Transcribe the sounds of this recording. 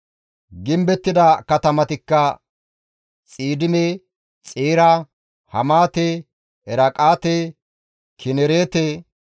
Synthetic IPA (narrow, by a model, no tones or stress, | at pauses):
ɡɪmbɛt̪ːɪd̪ɐkɐt̪ɐmɐt̪ɪkːɐ | t͡sʼiːd̪ɪme | t͡sʼeːɾa | hɐmaːt̪e | ɛɾɐkʼaːt̪e | kʰɪnɛɾeːt̪e